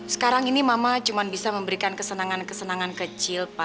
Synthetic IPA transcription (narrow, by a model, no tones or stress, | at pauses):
sə̥kaɾaŋinimamat͡ʃumanbisaməmbəɾikankəsənaŋankəsənaŋankət͡ʃɪlpa